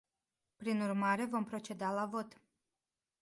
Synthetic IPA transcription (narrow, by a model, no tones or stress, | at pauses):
pɾinurmaɾe̞vo̞mpɾo̞t͡ʃe̞d̪alavo̞t̪